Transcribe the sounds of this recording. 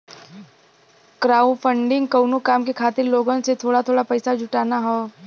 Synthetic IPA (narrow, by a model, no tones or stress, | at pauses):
kɾaːũfʰə̃ɳɖɪ̃ŋɡ̚kɐʊnokaːmkekʰaːt̪ɪɾloːɡonset̪ʰoːɽat̪ʰoːɽapɐjsad͡ʒʱʊʈaːnaɦoː